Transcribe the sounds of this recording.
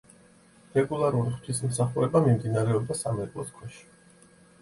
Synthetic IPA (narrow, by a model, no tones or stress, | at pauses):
ɾɛɡulˠaɾuɾiχwt̪ʰis̬m̩saχuɾɛbamimd̪inaɾɛɔb̚d̪asamɛkʼlˠɔskʰwɛʃi̥